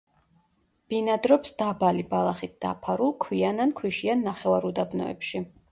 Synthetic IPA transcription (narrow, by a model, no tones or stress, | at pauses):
b̥inad̪ɾɔpsd̪̥abalibalˠaχit̪̚d̪̥a̰pʰaɾulˠkʰwianankʰwiʃianːaχɛvaɾud̪abnɔ̰ɛ̰pʃi